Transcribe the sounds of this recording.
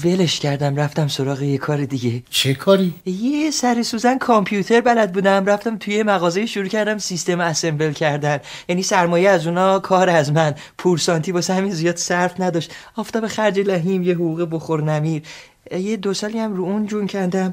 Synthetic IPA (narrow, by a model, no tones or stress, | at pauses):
ve̞leʃcʰæɾd̪æmræft̪æmso̞ɾɒːɣejekʰɒːɾid̪iɟe̞t͡ʃʰekʰɒːɾijesæɾesuːzænkʰompʰjut̪ʰe̞ɾbælæd̪̚buːd̪æmræft̪æmt̪ʰujemæɣɒːzejiʃuɾuːcʰæɾd̪æmsist̪e̞mæseɱvelcʰæɾd̪ænjæniːsæɾmɒːjeæzuːnɒːkʰɒːɾæzmæn | pʰuɾsɒːnt̪iːbɒshæminzijɒːd̪̥sæɾfnæd̪ɒʃt̪ɒːft̪ɒːbe̞xæɾd͡ʒelæɦiːmjeɦuɣuːɣeboxoɾnæmiɾ | jed̪osɒːliæmruund͡ʒuncʰæɾd̪æm